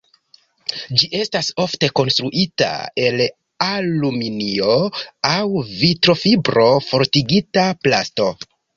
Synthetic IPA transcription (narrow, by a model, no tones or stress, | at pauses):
d͡ʒiʔe̞staso̞fte̞ko̞nst̪ɾuʔita̰e̞l | aluminio̞awvitɾo̞fibɾo̞fo̞ɾtiɡitaplasto̞